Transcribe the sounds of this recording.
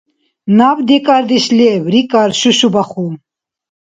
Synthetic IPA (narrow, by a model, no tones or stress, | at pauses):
nabd̪ekʼaɾd̪iɕlewɾikaɾʃuɕubaχu